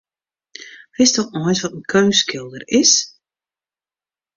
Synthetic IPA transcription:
hɪsdɔxnɔjsʋɔtən̩kʰøːskɪlˠdərɪs

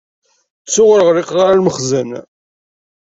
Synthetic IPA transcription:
sʊʁəɾəʁɾɪqʁaɾalməχzən

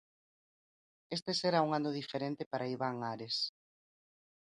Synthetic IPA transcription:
est̪eseɾauŋanʊðifeɾent̪epaɾʔaiβaŋaɾes

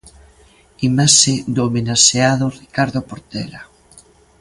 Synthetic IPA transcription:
imaʃed̪omenaʃeaðorikaɾðopoɾt̪ɛla

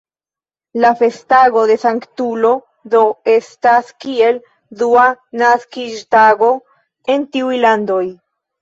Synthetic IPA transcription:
lafe̞staɡo̞de̞saŋktulo̞ | do̞e̞staskie̞l | duanaskiʃtaɡo̞ | e̞ntiujlando̞j

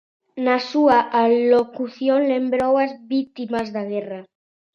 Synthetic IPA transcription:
nasuaʔalokuθjõnlẽmbɾowazβit̪imazðaɣ̞era

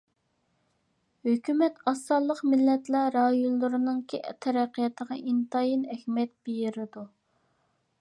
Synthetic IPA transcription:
høkʲymɛt̪ɑsːɑlˠːəqmɪlːɛt̪lɛɾɑjunlːˠuɾɨnɨŋkʲʰt̪ʰɛɾæqːijɑt̪ʰəʁɑʔint̪ɑjinɛhʲmɛt̪̚bejɪɾɪd̪u

